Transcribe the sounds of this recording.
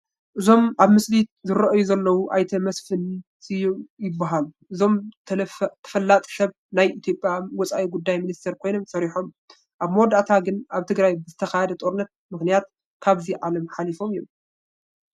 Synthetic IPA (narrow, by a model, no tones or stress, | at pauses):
ʔɨzo̞mʔaβmɨslizɨɾɐʔjuzɐlːɐwuʔajt̪ʰɐmɐsfɨnsʰijjɪbːaɦaluʔɨzo̞mʰ | t̪ʰɐ̥fɐlːat̪ʼi̥sɐβ | najit̪ʰjo̞pʼjawɔt͡sʼa̰ʔiɡud̪ːajminist̪ʰeɾkʰo̞jno̞msɐɾiħo̞m | ʔaβmwɔd̪at̪ʰaɡɨnʔaβt̪ʰɨɡɾajbɨzɨt̪ʰɐxahɐd̪ɐt̪ʼo̞ɾɨnːɐt̪̚mɨxnijat̪̚ | kʰaβziʕalɐmħalifo̞mjom